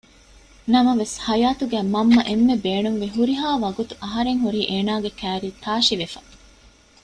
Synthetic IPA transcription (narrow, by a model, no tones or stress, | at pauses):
nɐmɐʋeshɐjaːt̪uɡæːmɐmːɐʔemːebeːnuŋʋeɦuɾiɦaːʋɐɡut̪uʔɐɦɐɾeŋɦuɾiːʔeːnaːɡekæːɾiːt̪aːʃiʋefɐ